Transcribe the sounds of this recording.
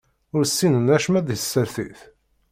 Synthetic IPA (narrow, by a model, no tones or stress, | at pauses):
ʊɾsːinənæʃmæðsːəɾθḭθ